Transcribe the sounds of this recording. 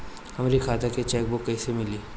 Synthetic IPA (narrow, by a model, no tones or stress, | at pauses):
ɐmɾikʰaːt̪aket͡ʃɛːk̚bokːɐisemɪliː